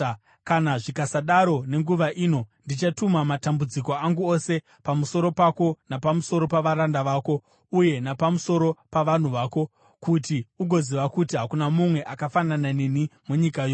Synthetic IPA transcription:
kanaʐikasaɗaɾo̞ne̞ŋɡuʋaʔiːno̞ndit͡ʃatumamatambud͡ziko̞aŋɡuo̞se̞ | pamuso̞ɾo̞pako̞napamuso̞ɾo̞paʋaɾandaʋaːko̞ | uje̞napamuso̞ɾo̞paʋan̤uʋaːko̞ | kutiuɡʱo̞ziʋakutiɦakunamumwe̞ʔakafanananenimuɲikajoː

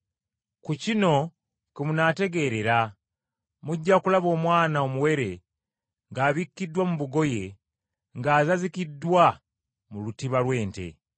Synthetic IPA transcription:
kucino̞ | kimunate̞ɡe̞ɾe̞ɾa | muɟːakulaβo̞ːmwaːnao̞muwe̞ɾe̞ | ŋɡaːβikːidːwamuβuɡo̞je̞ | ŋɡaːzazikidːwa | mulutiβalwe̞ːnte̞̰

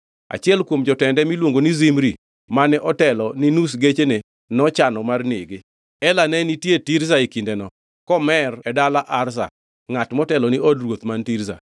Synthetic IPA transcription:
a̰t͡ʃɪɛlkwomd͡ʒɔtɛndɛmilwoŋɡonizimɾi | manɛʔɔtɛlɔninusɡet͡ʃene | nɔt͡ʃanɔmarnɪɡɪ | ɛlanɛnitjetiɾsaikindɛnɔ | kɔmɛrɛdalaʔarsa̰ | ŋatmɔtɛlɔniɔdrwot̪mantiɾza̰

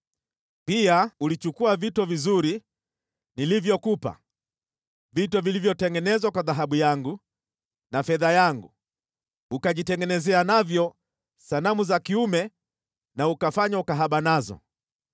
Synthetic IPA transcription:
piaulit͡ʃukuavitɔvizuɾi | nilivjɔkupa̰ | vitɔvilivjɔtɛŋɡɛnɛzwakwaðaɦaɓujaŋɡu | nafɛðajaŋɡu | ukaʄitɛŋɡɛnɛzɛanavjɔ | sanamuzakiumɛ | naukafaɲaukaɦaɓanazɔ̰

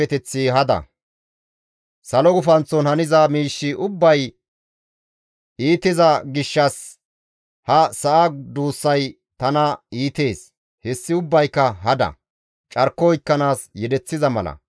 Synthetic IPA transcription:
ɛt̪ɛt͡sːiɦɐd̪ɐ̰ | sɐlɔɡʊfɐnt͡sːɔnhɐnɪzɐmiːʃːɪʔʊbːɐj | iːt̪ɪzɐɡɪʃːɐs | hɐsɐʔad̪uːsːɐj | t̪ɐnɐiːt̪e̞ːs | hɛsːɪʊbːɐjkːɐɦɐd̪ɐ̰ | t͡ʃʼɐɾkːɔɪkːɐnaːsjɛd̪ɛt͡sːɪzɐmɐ̰lɐ̰

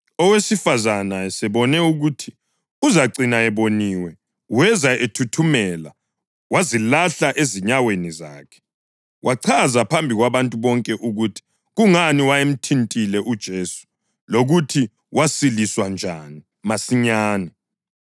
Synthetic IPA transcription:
ɔwesifazanaɛsɛβɔnɛuɣutʰi | uzaǀinaɛβoniːwɛ | wɛzaʔetʰutʰumɛla | wazilaɬaʔeziɲaweniza̰ːkʰɛ̥ | wʔaǀʰazapʰambʱiɣwaβantʼuβɔŋkʼɛʔuɣutʰi̥ | ɣuŋaniwajem̩tʰintʼilɛʔud̥ʒ̥ʱeːsu̥ | loɣutʰi | wʔasiliswand͡ʒʱani | masiɲaːnɛ

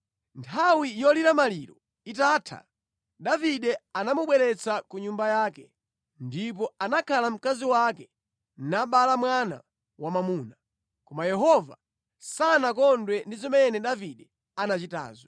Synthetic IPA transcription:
ntʰawijɔliɾamaliɾɔ | itaːtʰa̰ | ɗaviɗɛanamuɓwɛɾɛt͡sakuɲumbajaːkɛ | ndip̬ɔanakʰalam̩kaziwakɛ | naɓalamwana̰ | wamamuːna | kɔmajɛɦɔva̰ | sanak̬ɔndwɛndizɔmɛnɛɗaviɗɛ | anat͡ʃita̰ːzɔ

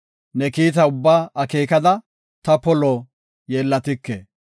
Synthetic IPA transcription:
nɛkiːt̪̬ɐʊbːaːɐkeːkɐd̪ɐ | t̪ɐpɔlɔ | jeːlːɐt̪ɪkːe

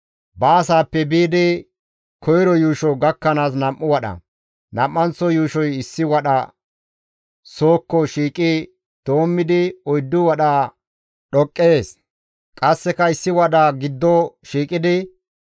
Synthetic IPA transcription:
bɐːsaːpːɛbiːd̪ɪ | kʰɔjɾɔjuːʃɔɡɐkːɐnaːs̬nɐmʔːʊwɐɗɐ̰ | nɐmːɐnt͡sːɔjuːʃɔjɪsːɪwɐɗɐ̰ | so̞ːkːɔʃiːkʼɪ | d̪̥o̞ːmːɪd̪ɪɔjd̪ːʊwɐɗaː | ɗɔkʼːe̞ːs | kʼɐsːɛkɐɪsːɪwɐɗaɡɪd̪ːɔʃiːkʼɪd̪ɪ

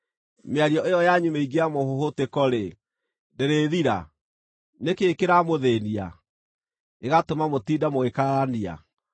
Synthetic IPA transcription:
meaɾiɔʔejɔjaɲumeiɡeamohohotekɔɾe | deɾeðiɾa̰ | nekeːkeɾamoðenia̰ | eɣatomamotiːdamoekaɾania̰

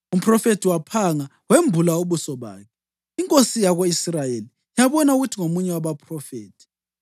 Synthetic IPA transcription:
um̩pʰʼrɔfetʰiwapʰaŋa | wembʱulauβusɔβa̰ːkʰɛ | iŋkʼosijaɣoisrajeli | jaβɔnauɣutʰiŋomuɲɛwaβapʰʼrɔfeːtʰi̥

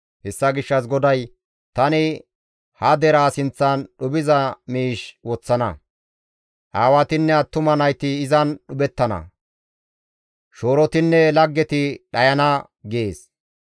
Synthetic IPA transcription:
hɛsːɐɡɪʃːɐs̬ɡɔd̪ɐj | t̪ɐnɪ | hɐd̪ɛɾaːsɪnt͡sːɐnɗʊbɪzɐmiːʃwɔt͡sːɐnɐ | ʔaːwɐt̪ɪnːɛɐt̪ːʊmɐnɐjt̪ɪːzɐnɗʊbɛt̪ːɐnɐ̰ | ʃo̞ːɾɔt̪ɪnːɛlɐɡːɛt̪ɪɗɐjɐnɐ | ɡeːs

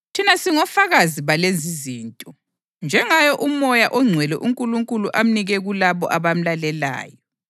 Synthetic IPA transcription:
tʰinasiŋɔfaɣaziβalend͡zʱiziːntʼɔ | nd͡ʒʱɛŋajɔʔumɔjaʔɔŋ͡ǀʱwɛlɛʔuŋkʼuluŋkʼuluʔam̩niɣɛɣulaβɔ̰ʔaβam̩lalɛla̰ːjɔ

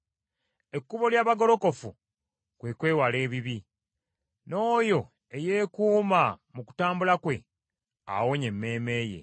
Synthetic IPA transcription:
e̞kːuβo̞ljaːβaɡo̞lo̞ko̞fu | kwe̞kwe̞ːwale̞ːβiβi | no̞ːjo̞ | e̞je̞ːkuːmamuku̥taːmbulakwe̞ | a̰wo̞ɲe̞mːe̞ːme̞ːje̞̰

